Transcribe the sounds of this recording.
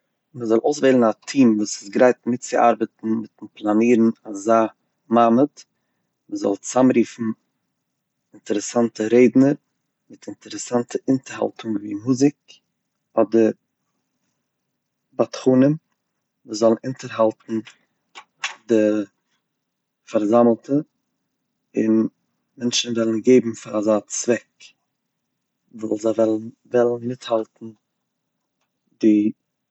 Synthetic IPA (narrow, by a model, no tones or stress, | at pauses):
məzɔlˠoʊsveɪlˠn̩atʰiːmvuːsɪ̥sɡɾaɪtmɪtt͡sɪʔa̰ɾbətn̩mɪtnplˠaniːɾn̩azaː | mamət | məzɔ̰lˠt͡samɾiːfn̩ | ɪntəɾəsantəɾeɪdnəɾ | mɪtʰɪntəɾəsantʰəɪntəɾha̰lˠtʰʊŋvḭːmuzɪk̚ | ɔdə | batχuːnəm | vuːszɔlˠənɪntəɾɦalˠtn̩ | dɪ | faɾzaml̩ˠtə | ɪn | mɛnʃn̩vɛlˠən̩ɡeɪbm̩fɪɾazaːt͡svɛk | vuːlˠzavɛl | vɛlˠn̩mɪthalˠtn̩ | dɪ